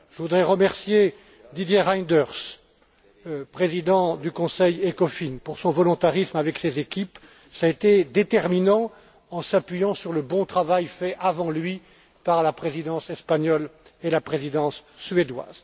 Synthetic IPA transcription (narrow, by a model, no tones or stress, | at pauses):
ʒ̥əvud̪ʁɛʁəmɛʁsje | d̪id̪jeʁajnd̪œʁs | pχezid̪ɑ̃d̪ykɔ̃sɛjekɔfinpuʁsɔ̃vɔlɔ̃t̪aʁismavɛksezekʲip | saet̪ed̪et̪ɛʁminɑ̃ | ɑ̃sapɥijɑ̃syʁləbɔ̃t̪χavajfɛʔavɑ̃lɥi | paʁlapχezid̪ɑ̃sɛspaɲɔlelapχezid̪ɑ̃sːɥed̪wa̰z̥